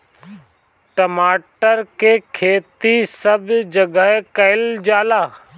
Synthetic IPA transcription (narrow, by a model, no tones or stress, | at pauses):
ʈəmaːʈəɾkekʰeːt̪isəbd͡ʒɐɡəɦkɐɪld͡ʒaːlaː